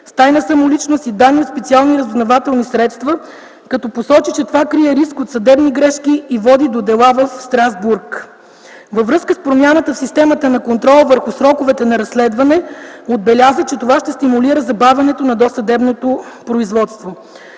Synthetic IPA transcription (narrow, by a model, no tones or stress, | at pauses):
st̪ajnəsɐmolit͡ʃnost̪id̪aniot̪spɛt̪sialˠniɾəzvnɐvat̪ɛlˠnisɾɛt̪st̪və | kɐt̪ɔposɔt͡ʃit͡ʃɛt̪ovakɾiɛɾiskot̪sɐd̪ɛbniɡɾɛʃkiivɔd̪id̪od̪ɛlˠavɐfst̪ɾazbuɾk | vəvɾɤskəspɾomʲjanət̪əfsist̪ɛmət̪ənɐkont̪ɾɔlˠvəɾxʊsɾɔkʊvɛt̪ɛnɐɾɐsːlɛd̪vɐnɛod̪̚bɛlʲazət͡ʃɛt̪ovaʃt̪ɛst̪imuliɾəzɐbavɛnɛt̪onɐd̪ɔsɐd̪ɛbnot̪o | pɾoizvɔt̪st̪vo